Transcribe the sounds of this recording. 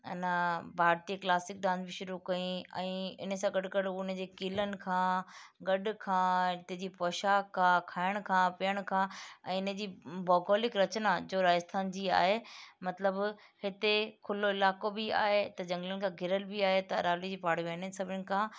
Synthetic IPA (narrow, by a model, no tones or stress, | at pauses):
ɐ̰nabʱaːɾt̪iklaːsɪk̚d̪ãːnd̪bɪʃʊɾukɐĩɛ̃ːɪ̰nəsãɡɐɖɡɐɽɪnd͡ʑeːkilənɪ̆kʰãːɡɐɗʊkʰãːɦɪt̪ed͡ʑiːpɔːʃaːkʰːãkʰaːɪɽ̃kʰãːpijəɽ̃kʰãːɛ̰̃ːɪnəd͡ʑiːbɔːɡoːlɪkɾɐt͡ɕnad͡ʑoːɾaːəst̪ʰaːnd͡ʑiːa̰ːɦemɐt̪ləb | hɪt̪ekʰʊloɪlaːkobɪa̰ːɦet̪ɐd͡ʑɐ̃ŋɡlənɪ̆kʰãɡʱɪɾəlbiaːɦet̪ɐɐɾaːlid͡ʑiːpaːɽ̤iʋeːnəsɐbʱɪñɪ̆kʰãː